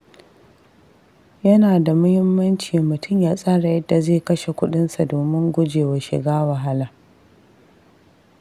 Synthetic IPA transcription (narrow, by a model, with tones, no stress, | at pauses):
jɐ˦naː˨da˨mʊ˦hɪ˦mːɐ˦nt͡ʃiː˨mʊ˨tʰʊ˦˨mjaː˦sʼaː˦ɽa˨jɐ˦dːa˨zeː˦˨kɐ˦ʃe˨kʷʊ˦ɗɪ˦nsa˨doː˨mɪ˦ŋɡʷʊ˦d͡ʒeː˨wa˨ʃɪ̰˨ɡaː˦wɐ˨ɦa˦laː˨